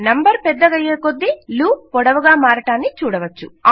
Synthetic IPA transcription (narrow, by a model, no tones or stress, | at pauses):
nɐmbɐɾpɛd̪ːɐɡɐjːeːkod̪ːiluːpɔɽɐʋɐɡaːmaːɾɐʈaːnːit͡ʃuːɽɐʋɐt͡ʃːu